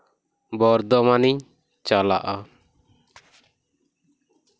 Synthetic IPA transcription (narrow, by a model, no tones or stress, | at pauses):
bɔɾd̪ɔmaniɲ | t͡ʃala̰ʔa